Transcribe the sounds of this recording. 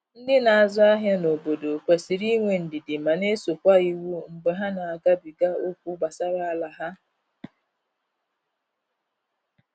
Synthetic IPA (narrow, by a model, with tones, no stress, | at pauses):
n̩˦dɪ˦na˨a˨zʊ˦a˦ɦja˦no˨bo˨do˨kʷe˨si˨ɾi˦ŋʷe˨n̩˨dɪ˨dɪ˨ma˨ne˦so˨kʷa˦i˦wu˦ŋ͡m̩˨ɡ͡be˨ɦa˦na˨a˨ɡa˦bi˨ɡa˦o˦kʷu˦ɡ͡ba˨sa˦ɾa˨a˨la˨ɦa˦